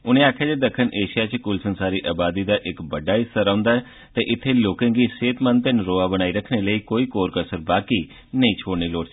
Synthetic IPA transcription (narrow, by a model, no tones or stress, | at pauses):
ʊnẽːaːkʰjaːd͡ʒeːd̪əkʰːənʔeːʃijaːt͡ʃkuːlsənsaːɾiːʔaːbaːd̪iːd̪aːʔɪkbəɖaːɪsəɾãːʊnd̪aːɛː | t̪eːʔɪt̪ʰːeːloːkẽːɡiːseːt̪mənt̪enɾoːaːbəñaːiːɾəkʰneːləiːkoːiːkoːɾkəsəɾbaːkiː | nəĩːt͡ʃʰoːɽniːloːɽ